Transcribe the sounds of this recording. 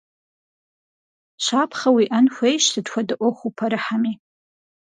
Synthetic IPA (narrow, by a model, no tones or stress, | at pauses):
ʃʷapʰχawiʔanxʷejʃtʰɨdkʷadɨʔʷoχʷupʰaɾɨħami